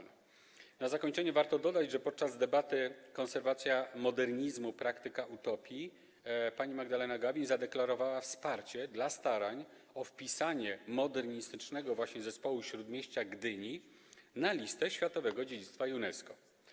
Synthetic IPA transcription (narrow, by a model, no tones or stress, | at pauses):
nazakɔɲt͡ʂɛɲɛvaɾt̪ɔd̪ɔd̪ad͡ʑʐɛpɔt̪̚t͡ʂazd̪ɛbat̪ɘkɔnsɛɾvat̪sʲjamɔd̪ɛɾɲizmupɾakt̪ɘkaʔut̪ɔpʲi | paɲimaɡd̪alɛnaɡavʲizad̪ɛklaɾɔvawafspaɾt͡ɕɛd̪last̪aɾaɲ | ɔfpʲisaɲɛmɔd̪ɛɾɲist̪ɘt͡ʂnɛɡɔvwaɕɲɛzɛspɔwuɕɾud̪mʲjeɕt͡ɕaɡd̪ɘɲi | nalʲist̪ɛɕfʲjat̪ɔvɛɡɔd͡ʑed͡ʑit̪st̪fajunɛskɔ